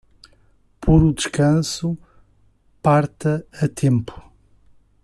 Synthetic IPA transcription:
pʰoɾud̪ɨʃkɐ̃su | paɾt̪ɐɐt̪ʰẽmpu̥

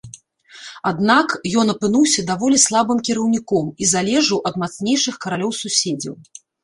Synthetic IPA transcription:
ad̪nakjɔnɐpɨnuwsʲɐd̪avɔlʲislˠabɨmkʲiɾɐwnʲikɔmizalʲɛʐɨwʔɐd̪mat̪snʲejʂɨxkɐɾalʲɔwsusʲed͡zʲɐ̰w

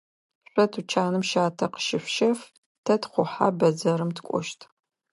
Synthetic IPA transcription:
ɕʷɔtʰut͡ʃʰaːnɨmʃaːtʰɐqə̥ʃɪfʷʃɐf | tʰɐtχʷʊħa̰bɐd͡zɐɾɨmtʰkʷʼɔ̰ʃtʰ

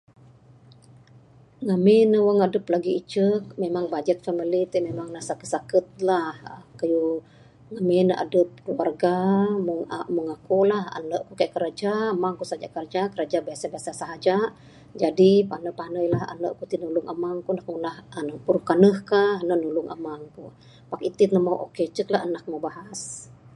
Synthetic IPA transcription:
ŋamenəwəŋadəplaɡiːt͡ʃək̚memaŋbad͡ʒɛt̪̚familit̪əmemaŋnasakəsakət̪̚lahkaju | ŋamenəʔa̰dəp̚kluarɡamuŋmuŋakulaha̰nəʔkukaʔkəɾad͡ʒaəmaŋkusaɦad͡ʒa̰ʔkərd͡ʒakəɾad͡ʒabiasabiasasaɦad͡ʒaʔ | d͡ʒadipanəpanəjlaha̰nəʔkut̪inuluŋʔəmaŋkunək̚munahənəpuɾuhkanəhkahnənuluŋʔə̰maŋku | pakit̪it̪nəmawʔo̰ket͡ʃəklaɦənak̚mobahas

